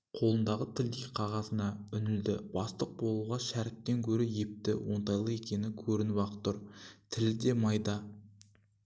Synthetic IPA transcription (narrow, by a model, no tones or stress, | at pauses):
qʰo̞lˠənd̪ɑʁət̪ʰɪld̪ejqʰɑʁɑsənɑʏnɪld̪ɪb̥ɑst̪əq̚bo̞lˠuʁɑʃæɾɪt̪̚ːe̞ŋkʲʰɵɾɪjep̚t̪ɪ̰wo̞nt̪ɑjlˠəe̞kʲe̞nɪkʲʰɵɾɪnwɑqə̥t̪ːʊɾt̪ʰɪlɪd̪e̞mɑjd̪ɑ